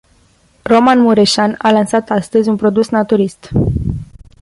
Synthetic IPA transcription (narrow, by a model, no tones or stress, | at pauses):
ro̞manmuɾeʃanalansat̪ast̪əzʲunpɾo̞d̪usnat̪uɾist̪